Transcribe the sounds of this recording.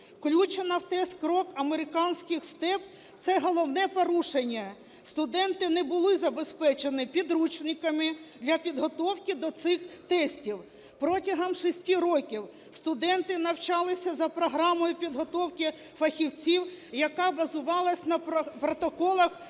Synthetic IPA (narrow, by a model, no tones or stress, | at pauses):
wklʲut͡ʃenɐwt̪ɛst̪kɾɔkɐmeɾɪkɑnʲsʲkɪxst̪ɛp̚ | t̪sɛɦɔlˠɔwnɛpɔɾuʃenʲːɐ | st̪ʊd̪ɛnt̪ɪnɛbʊlˠɪzɐbespɛt͡ʃenɪpʲid̪ɾut͡ʃnɪkɐmɪd̪lʲɐpʲid̪ɦɔt̪ɔwkʲid̪ɔt̪sɪxt̪ɛsʲtʲiw | pɾɔtʲɐɦɐmʃɪsʲtʲiɾɔkʲiw | st̪ʊd̪ɛnt̪ɪnɐwt͡ʃɑlˠɪsʲɐzɐpɾɔɦɾɑmɔjʊpʲid̪ɦɔt̪ɔwkʲɪ | fɐxʲiwt͡sʲiwjɐkɑbɐzʊʋɑlˠɐsʲnɐpɾɔt̪ɔkɔlˠɐx